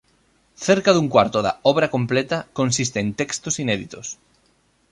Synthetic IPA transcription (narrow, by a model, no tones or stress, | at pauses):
θeɾkaðuŋkwaɾt̪oða̰ɔβɾakõmplɛt̪ɐkonsist̪eːnt̪ɛkst̪osinɛðit̪os